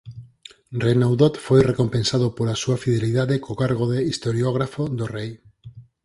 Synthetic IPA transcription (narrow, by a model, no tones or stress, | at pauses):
renawðot̪fojrekompensaðopolasuafiðeliðaðekokaɾɣoðeist̪oɾjoɣ̞ɾafoðorej